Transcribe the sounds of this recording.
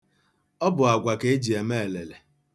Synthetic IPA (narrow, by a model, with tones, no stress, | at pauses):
ɔ˦bʊ˨a˨ɡʷa˨ke˦e˦d͡ʒi˨e˨me˦e˨le˨le˨